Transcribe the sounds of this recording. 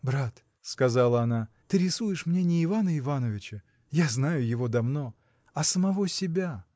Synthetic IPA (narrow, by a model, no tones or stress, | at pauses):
bɾat̪ | skɐzalˠəɐnat̪ɨɾʲɪsujɪʂmnʲenʲɪːvanəɪvanəvʲɪt͡ɕə | jaznajʊjɪvo̞d̪ɐvno̞ | ɐsəmɐvo̞sʲɪbʲa